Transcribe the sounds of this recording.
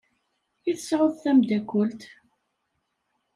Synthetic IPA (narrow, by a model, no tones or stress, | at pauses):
iθəsʕʊðθæmd̪ækʷːʊlt̪